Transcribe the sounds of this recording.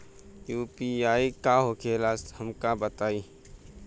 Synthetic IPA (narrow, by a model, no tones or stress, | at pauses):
juːpiaːikaɦokʰelaːshɐmkabət̪aːiː